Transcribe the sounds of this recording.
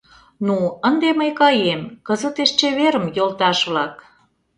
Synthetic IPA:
nuənd̪eməjkɑjemkəzə̆t̪eʃt͡ɕeβeɾə̆mjolt̪ɑʃβlɑk

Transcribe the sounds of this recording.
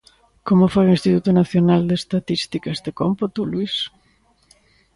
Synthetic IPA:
komofoɾinst̪it̪ut̪unaθjonald̪est̪at̪ist̪ikazðekompot̪ulwis

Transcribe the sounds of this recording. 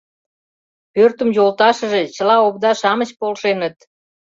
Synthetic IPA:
pørt̪əmjolt̪ɑʃəʒet͡ɕə̆lɑop̚d̪ɑʃɑmət͡ɕpolʃenət̪

